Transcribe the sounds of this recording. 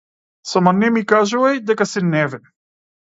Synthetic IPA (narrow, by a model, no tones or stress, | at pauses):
samanɛmikaʒuvajd̪ɛkasinɛvɛ